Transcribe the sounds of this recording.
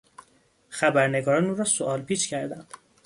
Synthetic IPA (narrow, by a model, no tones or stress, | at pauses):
xæbæɾneɡɒːɾɒːnuːɾɒːsoʔɒːlpiːt͡ʃcʰæɾd̪ænd̪̥